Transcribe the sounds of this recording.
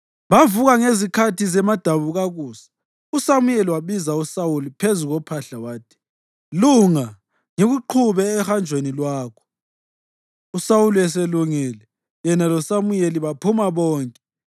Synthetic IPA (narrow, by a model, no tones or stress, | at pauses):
βavuɣaŋezikʰatʰizɛmad̥ʱaβuɣaɣuːsḁ | usamujeliwaβizausawulipʰezuɣɔpʰaɬawaːtʰi̥ | luŋa | ŋeɣuǃʰuβɛːxand͡ʒʱwenilwaːkʰɔ̥ | usawuliɛseluŋɛlɛ | jɛnalɔsamujeliβapʰumaβɔːŋkʼɛ